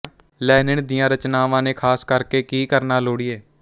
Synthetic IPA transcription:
lɛːnɪɳd̪ijãːɾət͡ʃnaːʋãːnẽːkʰaːskəɾkeːkiːkəɾnaːloːɽiːeː

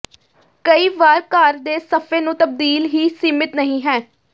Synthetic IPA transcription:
kəiːʋaːɾkaːɾd̪eːsəpʰeːnũːt̪əb̚d̪iːlɦiːsiːmɪt̪nəɦĩːɦɛː

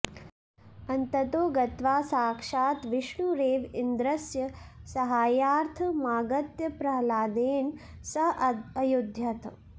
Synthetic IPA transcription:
ɐnt̪ɐt̪oːɡɐt̪ʋaːsaːkʂaːt̪ʋiʃɳuɾeːʋind̪ɾɐsjɐsɐɦaːjaːɾt̪ʰɐmaːɡɐt̪jɐpɾɐɦɐlaːd̪eːn | sɐɦɐjud̪ʱjɐt̪

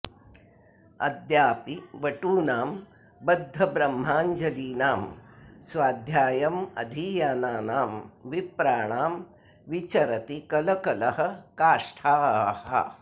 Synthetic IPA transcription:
ɐ̰d̪jaːpiʋɐʈuːnaːm | bɐd̪ʱːɐbɾɐmːaːɲd͡ʒɐliːnaːmsʋaːd̪ʱjaːjɐmɐ̰d̪ʱiːjaːnaːnaːmʋipɾaːɳaːm | ʋit͡ʃɐɾɐt̪ikɐlɐkɐlɐɦɐ̆kaːʂʈʰaːhɐ̰

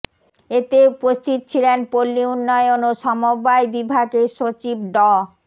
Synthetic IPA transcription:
et̪eupost̪ʰit̪̚t͡ɕʰilenpolːiunːɔjonoʃɔmobaebibʱaɡeʃot͡ɕib̚ɖɔ

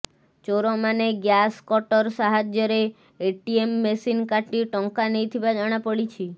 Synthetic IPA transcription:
t͡ʃoɾɔmaneɡjaskɔʈɔɾsaɦad͡ʒjɔɾeː | ʈiemːesinkaʈiʈɔŋkanejt̪ʰibad͡ʒaɽ̃apəɽit͡ʃʰi

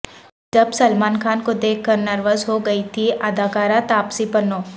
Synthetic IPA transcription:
d͡ʒɐbsɐlmaːnkʰaːnkod̪eːkʰːɐɾnɐɾʋəzɦoɡɐit̪ʰiʔɐd̪ʱaːkaːɾat̪aːpsipɐnoː

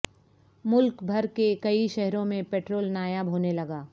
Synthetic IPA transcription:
mʊlkbʱɐɾkekɐiʃɛɦɾõmẽpɛːʈɾoːlnaːjabʱoːnelɐɡaː

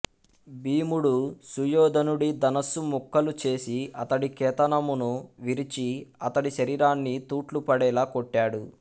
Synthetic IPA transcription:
biːmuɽusujɔːd̪ɐnuɽid̪ɐnɐsumukʰːɐlut͡ʃe̞ːsiɐt̪ɐɽikɛːt̪ɐnɐmunuʋiɾit͡ʃiɐt̪ɐɽiʃɐɾiːɾaːnːit̪uːʈlupɐɽɛːlaːkoʈːaːɽu

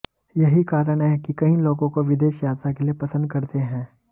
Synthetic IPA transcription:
jɐɦikaːɾəɽ̃ɦɛkikɐĩloːɡõkoʋɪd̪eːʃjaːt̪ɾakeliepɐsə̃nd̪̚kɐɾt̪eɦɛ̃ː

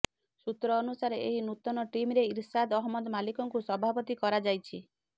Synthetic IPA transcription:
sut̪ɾɔːnusaɾeeɦinut̪ɔnɔʈimɾeiɾsad̪ɔɦmɔd̪malikɔŋkusɔbʱapɔt̪ikɔɾad͡ʒajt͡ʃʰi

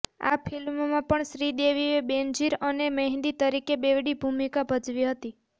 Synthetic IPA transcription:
a̰pʰilmːãpəɳʃɾid̪eʋiebend͡ʒiɾənemeɦiɖit̪əɾikebeʋɽibʱumikabʱəd͡ʒʋiɦət̪i

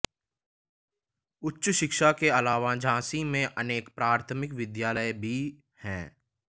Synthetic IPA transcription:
ʊtːʃʃɪkʃakeɐlaːʋad͡ʒãːsimẽʔəneːkpɾaːɾət̪ʰəmɪkʋɪd̪jaːləjbʱi | hɛ̃ː

